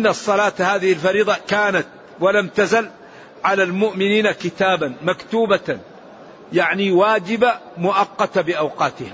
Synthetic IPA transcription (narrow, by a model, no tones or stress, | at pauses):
ʔɪnːasˤːɑlaːt̪haːðɪhɪlfɑɾiːd̪ˤɑkaːnat̪̚ | walamt̪azal | ʕalalmʊʔmɪniːnakɪt̪aːbanmakt̪uːba | jaʕniwaːd͡ʒɪbamʊʔɑqːɑt̪abɪʔɑwqɑːt̪ɪha